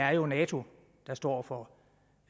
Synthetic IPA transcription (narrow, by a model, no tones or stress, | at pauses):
æɐjo̝nɛːt͡sʰo̝ | d̥ɑ̈sd̥ɒ̰ːfɒ